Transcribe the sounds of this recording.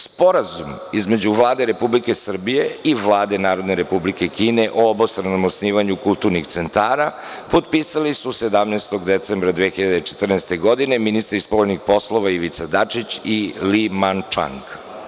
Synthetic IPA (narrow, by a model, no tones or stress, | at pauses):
spo̞ɾazumizme̞d͡ʑuʋlˠaːd̪eɾe̞publike̞sr̩bije̞iʋlˠaːd̪e̞naːɾo̞d̪ne̞ɾe̞publike̞kiːne̞ʔoobost̪ɾenomosniːʋaɲukulˠt̪uɾnixt̪se̞nt̪aːɾa | po̞t̪piːsalisuse̞d̪amnest̪o̞ɡd̪e̞t̪sembɾad̪ʋiexiʎad̪eit͡ʃet̪r̩nɛst̪e̞ɡo̞d̪ine̞minist̪ɾispoʎnixpo̞slˠo̞ʋaiʋit̪sad̪at͡ʂit͡ɕilimant͡ʃa̰ŋk